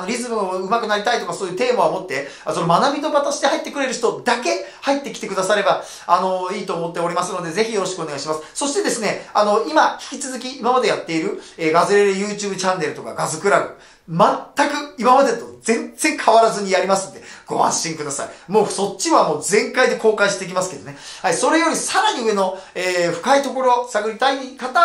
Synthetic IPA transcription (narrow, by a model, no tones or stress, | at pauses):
ano̞ɾʲizɨmɯɯ̟makɯ̟naɾʲit̪ait̪o̞kaso̞ːjɯ̟ːt̪e̞ːmaomo̞t̪ːe̞asonomanabʲit̪o̞bat̪aɕi̥t̪ehait̪ːe̞kɯ̟ɾe̞ɾɯ̟çi̥t̪o̞d̪ake̞hait̪ːe̞kʲi̥t̪e̞kɯ̟d̪asaɾe̞ba | ano̞iːt̪o̞ːmo̞t̪ːe̞o̞ɾʲimasɨno̞d̪e̞ze̞çʲijo̞ɾo̞ɕi̥kɯoneaiɕimasɨ̥so̞ɕi̥t̪e̞d̪e̞sɨne̞ano̞imaçʲi̥kʲit͡sɨzɨk̬ʲiːmamad̪e̞jat̪ːe̞iɾɯ̟eːɡazɨɾe̞ɾejɯ̟ːt͡ɕɨːbɯ̟t͡ɕãnːe̞ɾɯ̟t̪o̞ka̰ɡazɨkɯ̟ɾaɡɯ̟ | mat̪ːakɯ̟imamad̪e̞t̪o̞d͡zẽ̞nd͡zẽ̞ŋkʰaβaɾazɨɲ̟ijaɾʲimasɨ̃nod̪e̞ɡ̥o̞ɦã̰ɕĩŋkɯ̟d̪asa̰imo̞ːso̞t͡ɕːiβamo̞ːzẽ̞ŋkaid̪e̞ko̞ːkãĩɕi̥t̪eik̬ʲimasɨ̥ke̞d̪o̞ne̞haiso̞ɾe̞jo̞ɾʲisaɾaɲ̟iɯ̟e̞no̞eːɸɯ̟̥kait̪o̞ko̞ɾo̞saɡɯ̟ɾʲit̪aikat̪a